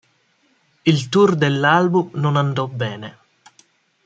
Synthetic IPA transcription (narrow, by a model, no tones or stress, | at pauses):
ilt̪urd̪elːalbumnʊnand̪ɔbːɛːne